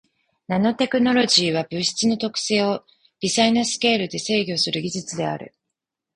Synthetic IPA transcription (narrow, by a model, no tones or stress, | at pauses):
nano̞t̪e̞kɯ̟no̞ɾo̞ʑiːβabɯ̟ɕi̥t͡sɨno̞t̪o̞kɯ̟̥se̞ːo̞ | b̥ʲizainasɨ̥ke̞ːɾɯ̟d̪e̞se̞ːɡʲo̞sɨɾɯ̟ɡʲiʑɨt͡sɨd̪e̞a̰ɾɯ̟̰